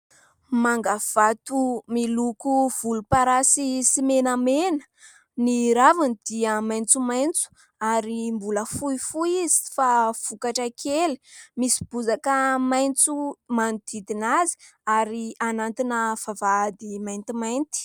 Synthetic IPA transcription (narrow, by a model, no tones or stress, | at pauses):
maŋɡav̥at̪umilukuv̥ulupaɾasisimenamenə̥ | niɾavinid̪̥iəmajnt͡sumajnt͡su̥ | aɾimbuləfuifuizi̥fav̥ukaʈ͡ʂakʰelimisi̥b̥uzakəmajnt͡sumand̪id̪inazi̥ | aɾianant̪inəv̥avad̪imajnt̪imajnt̪i̥